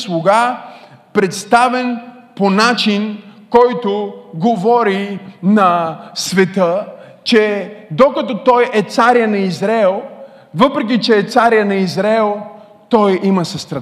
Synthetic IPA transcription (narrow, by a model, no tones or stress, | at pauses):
slˠoɡa | pɾɛt̪st̪avɛnponat͡ʃinkɔjt̪ʊɡovɔɾinɐsvɛt̪ə | t͡ʃɛd̪okɐt̪ɔt̪ɔjɛt̪saɾjənɐizɾɛlˠ | vəpɾɛk̬it͡ʃɛːt̪saɾjənɐizɾɛlˠ | t̪ɔjimɐsɐst̪ɾɐ